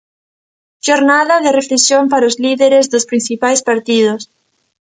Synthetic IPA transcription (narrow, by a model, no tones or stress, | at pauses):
ʃoɾnaðaðereflesjompaɾaozliðeɾezðospɾin̟θipajspaɾt̪ið̞os